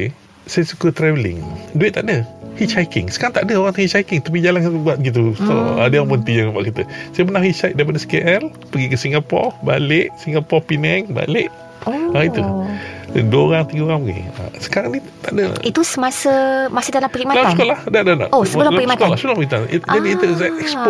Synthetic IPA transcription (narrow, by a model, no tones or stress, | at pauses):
e | sajasukət̪ɾɛvəlɪ̰ŋduɪʔ̪̚t̪aʔdəhit͡ʃajkɪŋsəkaɾaŋt̪aʔdəoɣaŋt̪ŋit͡ʃajkɪŋt̪ap̬id͡ʒalankaubuat̪̚ɡit̪̬usɔ̰a̰dəjaŋmənt̪iɲaŋapa̰ʔkit̪əsajəpənahhit͡ʃajk̚daip̬adəsə̥keʔɛl | pəɡikəsiŋɡapɔ̰ba̰leʔsiŋapɔpinɛŋba̰leʔ | ait̪u | ənduəoɾaŋt̪iɡəoɣaŋpəɡḭa̰sə̥kaɾaŋni | t̪aʔdə̰it̪usəmasəmasiht̪anapəɡik̚malaaskolahdadana̰ʔosəbəluliəkɔlasəbəl̃pəkit̪and͡ʒadiːt̪əzɛkɛkspo